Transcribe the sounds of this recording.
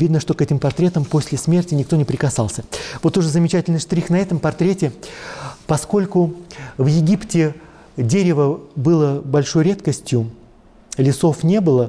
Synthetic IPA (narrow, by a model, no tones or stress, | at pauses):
vʲid̪nəʂt̪o̞kɛtʲɪmpɐrt̪ɾʲe̞t̪əmpo̞sʲlʲɪsmʲe̞rtʲɪnʲɪk̚t̪o̞nʲɪpɾʲɪkɐsɑlˠsʲəvo̞t̪ʊʐɨzəmʲɪt͡ɕætʲɪlʲnɨʂt̪ɾʲixnɐɛt̪əmpɐrt̪ɾʲetʲɪ | pɐsko̞lʲkʊvjɪɡʲiptʲɪ | dʲeɾʲɪvəbɨlˠəbɐlʲʂo̞jɾʲe̞t̪kəsʲtʲjʊ | lʲɪso̞fnʲe̞bɨlˠə